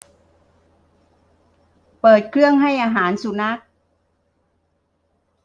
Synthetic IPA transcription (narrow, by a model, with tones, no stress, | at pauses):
pɤː˨˩t̪̚kʰɾɯ˥˩əŋɦa˥˩jʔaː˧ɦaː˩˦nsu˨˧˦na˦˥˩k̚